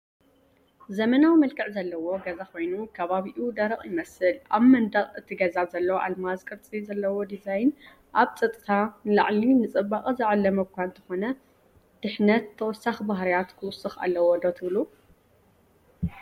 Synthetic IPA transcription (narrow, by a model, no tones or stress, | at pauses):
zɐmɐnawimɐlkʰɨʕzɐlːɐwo̞ɡɐzako̞jnukʰɐβaβiʔud̪ɐɾɐχʼjɪmɐsɨlʔaβmɐnd̪ɐχʼɨt̪ʰiɡɐzazɐlːɐwʔalmazkʼɨɾt͡sʼizɐlːɐwod̪izajn | ʔaβt͡sʼɐt̪ʼɨt̪ʰanɨlaʕlinɨt͡sʼɨbaχʼzɨʕalːɐmɐkʷant̪ʰɨxo̞nɐ | d̪̥ɨħnɐt̪ʰːɐwɔsːaxbaɦɾijat̪kʰɨwʊsɨxa̰lːɐwod̪ot̪ʰɨβlu